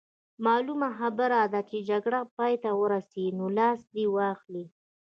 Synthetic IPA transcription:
mɑlumaxabəɾad̪at͡ʃed͡ʒaɡɽapɑjt̪awəɾasinolɑsd̪iwɑxli

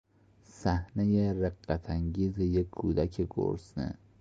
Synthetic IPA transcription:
sæhnejereɢːæt̪ʰæŋɡiːzejekʰːuːd̪ækʰeɡo̰ɾsnḛ

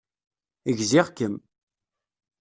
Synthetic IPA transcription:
əʝziʁkəm

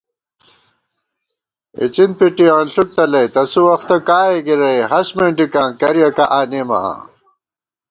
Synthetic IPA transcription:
ḭt͡ɕinpiʈiãnɬuk̚t̪ɐlɐjt̪ɐsuwɐxt̪ɐkaːeɡiɾɐjɦɐsmeːɳɖikãːnkɐɾjɐkaʔaːnemɐ̰a̰ː

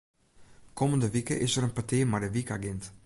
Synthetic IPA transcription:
kʰoməndəʋikə̰ʔɪsəɾənpatɪːmadəʋika̰ɡɪnt

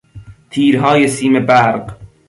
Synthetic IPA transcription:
t̪ʰiːɾɦɒːjesiːmebæɾɢ

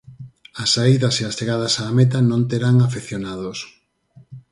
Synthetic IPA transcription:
ɐsaiðɐseasteɣað̞ɐsaːmet̪anõnt̪eɾaŋafeθjonaðos

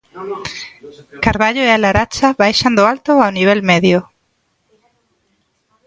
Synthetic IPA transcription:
kaɾβaʎʊealaɾat͡ʃaβajʃand̪ʊalt̪ʊawniβ̞elmeðjʊ

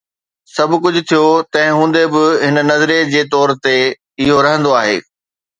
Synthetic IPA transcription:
sɐbʱʊkʊd͡ʑʱʊ̆t̪ʰijot̪ɐ̃ɦɪ̃ɦũːn̆d̪ebɪɦɪnnɐzɾed͡ʑeːt̪ɔːɾt̪e | ɪɦoɾɐɦə̃nd̪oaːɦḛː

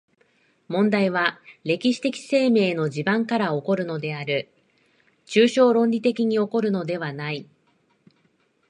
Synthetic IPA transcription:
mõ̞nd̪aiβaɾe̞kʲiɕi̥t̪e̞kʲi̥se̞ːme̞ːno̞ʑibãŋkaɾao̞ko̞ɾɯ̟no̞d̪e̞aɾɯ̟ | t͡ɕɨːɕo̞ːɾõ̞ɲʲɾʲit̪e̞kʲiɲ̟io̞ko̞ɾɯ̟no̞d̪e̞βanai

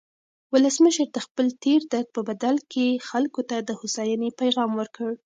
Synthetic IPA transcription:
wʊləsməʃəɾd̪əxpəlt̪eɾd̪ad̪̚pəbad̪alkʰexalkot̪ad̪əhʊsɑjanepajɣɑmwəɾkəɽ

